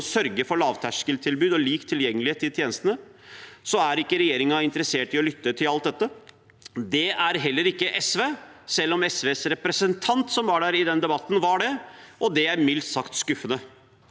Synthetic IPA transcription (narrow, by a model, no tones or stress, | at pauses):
sœɾɡəfɔɭɑːʋt̪ʰæʂkəlt̪ʰɪlbʉːd̪ɔliːkt̪ʰːɪljɛŋːəlɪeːt̪ːɪt̪jeːnəst̪ənəsɔæɾɪkːəɾɛjeːɾɪŋɑɪnt̪əɾəseːʈɪɔlʏt̪ːət̪ʰɪlɑlt̪̚d̪ɛt̪ːə | d̪ɛæɾɦɛlːəɾɪkːəʔɛsʋeːsɛlːɔmɛsʋeːsɾɛpɾəsənt̪ʰɑnt̪sɔmʋɑɖæːɾɪd̪ɛnd̪ɛbɑt̪ːn̩ʋɑɖɛʔɔd̪ɛæɾmɪlt̪sɑkt̪skʉfːənə